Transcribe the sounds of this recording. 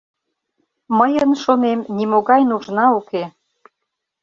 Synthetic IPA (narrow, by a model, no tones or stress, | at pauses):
məjənʃonemnimoɣɑjnuʒnɑuke